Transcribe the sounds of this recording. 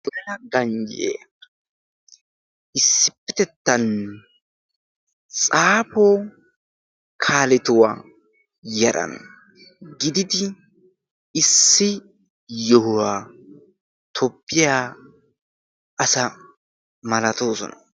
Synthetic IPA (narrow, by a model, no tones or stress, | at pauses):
lɛlɐɡɐɲd͡ʒḛ | ʔɪsːɪpːɛt̪ɛt̪ːɐn | t͡sʼaːpoː | kʰaːlɛt̪ʊwa̰ | jɛɾʔɐ̰n | ɡɪd̪ɪd̪ɪ | ɪsːɪ | jɔhʊwaː | t̪ʰɔpːɪjaː | ʔɐsɐ | mɐlɐt̪oːsɔ̰nɐ